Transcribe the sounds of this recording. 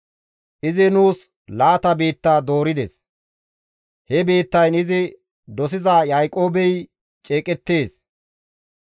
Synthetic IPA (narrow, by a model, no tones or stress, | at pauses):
ʔɪzɪnuːs | laːt̪ɐbeːt̪ːaːd̪o̞ːɾɪd̪ḛs | hɛbe̞ːt̪ːɐjnɪzɪ | d̪ɔs̬ɪzaːjɐjkʼo̞ːbɛj | t͡ʃʼe̞ːkʼɛt̪ːe̞ːs